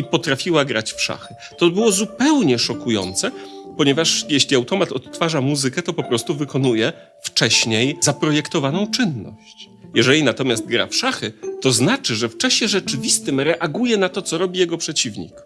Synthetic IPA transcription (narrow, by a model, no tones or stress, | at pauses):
ipɔt̪ɾafʲiwaɡɾat͡ɕfʂa̰xɘ | t̪ɔbɘwɔzupɛwɲɛʂɔkujɔ̰nt̪sɛpɔɲɛvaʂjɛɕlʲiawt̪ɔmat̪ɔt̪ːfaʐamuzɘkɛt̪ɔpɔpɾɔst̪uvɘkɔnujɛ | ft͡ʂɛɕɲejzapɾɔjɛkt̪ɔvanɔ̃w̃t͡ʂɘnːɔ̰ɕt͡ɕ | jɛʐɛlʲinat̪ɔmʲjast̪̚ɡɾa̰fʂaxɘt̪ɔznat͡ʂɘʐɛft͡ʂaɕɛʐɛt͡ʂɘvʲist̪ɘmɾɛʔaɡujɛnat̪ɔt̪sɔɾɔbʲijɛɡɔpʂɛt͡ɕivɲḭk